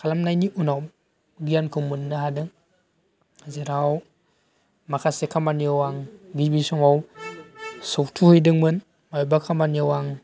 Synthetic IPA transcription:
kʰalamnajniʔunaw | ɡijankomunːaɦadɯŋ | ziɾaw | makasekʰamanjowaŋɡibisɔŋow | sok̚tʰuhɯdɯŋmɯn | majubakʰamanjowaŋ

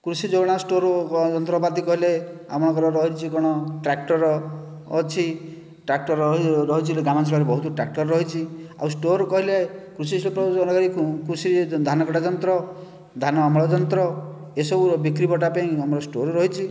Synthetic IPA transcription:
kɾusid͡ʒoɡɽ̃asʈoɾd͡ʒɔnt̪ɾɔpat̪ikɔɦilea̰mɔɽ̃kɔɾɔɾɔɦit͡ʃʰikɔɽ̃ɔʈɾak̚ʈɔɾɔː | t͡ʃʰi | ʈɾak̚ʈɔɾɾɔɦit͡ʃʰileɡamasʰbaɾebɔɦut̪uɾɔʈɾak̚ʈɔɾɾɔɦit͡ʃʰia̰wsʈoɾkɔɦilekɾus̬islopɾɔɔnɔkaɾikkɾusid̪ʱanɔkɔʈad͡ʒɔnt̪ɾɔ | d̪ʱanɔamɔɭɔd͡ʒɔnt̪ɾɔ | esɔbubikɾipɔʈapaĩamɔɾɔsʈoɾɾɔɦit͡ʃʰi

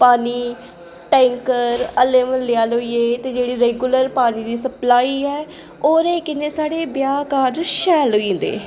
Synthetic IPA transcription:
paːniː | ʈɛ̃ːŋkəɾəleːmənlɪaːloːiːeːt̪eːd͡ʒeːɽiːɾeːɡʊləɾpaːniːd̪iːsəplaːiːɛː | oːɾeːkɪnẽːsaːɽeːbjaːkaːɾd͡ʒʃɛːloĩːnd̪ḛː

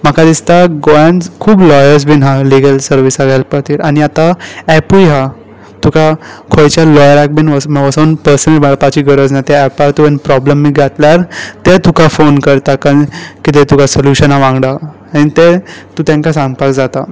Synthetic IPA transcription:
m̤əkad̪ist̪aɡojãnkʰuːblɔjəɾs̬binɦaliɡəlsəɾʋisaɡʱajlpət̪iːɾaɽ̃iat̪aɛpujɦa | t̪ukakʰojt͡ɕjalɔjəɾak̚binʋəsmʋəsənpəɾsənəlbaɭpat͡ɕiːɡəɾəd͡znat̪eːpaɾt̪ubenpɾɔbləmːiɡʱat̪ljaɾt̪et̪ukʰafonkəɾt̪akankit̪et̪ukʰasoluɕənaʋãŋɡɽaː | ɽ̃it̪et̪uːt̪jãŋkasãŋɡ̚pakd͡zat̪a

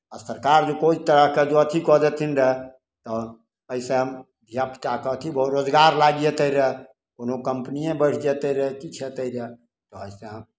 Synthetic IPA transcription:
ɔsəɾkaɾd͡ʒekoit̪əɾəɦked͡ʒoət̪ʰikɔd͡ʒɛt̪ʰinɾəɦ | t̪ɔ | əiseɦəm | d̪ʱijapt͡ʃakɔt̪ʰibʱoɾod͡ʒɡaɾlaɡjet̪əɾəɦɛ | konokəmpnijẽbəɽ̤d͡ʒɛt̪əɾəɦekit͡ʃʰɛt̪əiɾə | t̪ɔəiseɦəm

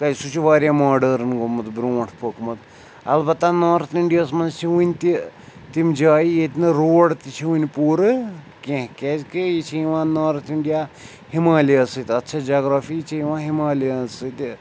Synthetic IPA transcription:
kɐjsut͡ʃʰiʋaːɾʲjamaːɖɐɾɨnɡomɐt̪bɾuɐʈʰpokmɐt̪ | ɐ̰lbɐt̪ːanaːɾɐt̪iɳɖijaːsmɐnzt͡ʃʰiʋunʲt̪i | t̪imʲd͡ʒaːjijet̪nɨɾoːɽt̪it͡ʃʰiɦunʲpuːɾɨ | kẽɦkʲed͡ʒkɨjit͡ʃʰiiʋãːnaːɾɐt̪ʰiɳɖijaː | himaːliɐsɨt̪ʲɐt̪ːt͡ʃʰad͡ʒaːɡɾaːfit͡ʃʰiiʋãːɦimaːlijansɨt̪

